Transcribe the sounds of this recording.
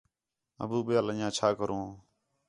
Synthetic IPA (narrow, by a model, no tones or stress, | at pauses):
ə̰buːɓɪjaːləjãːt͡ʃʰaːkəɾõː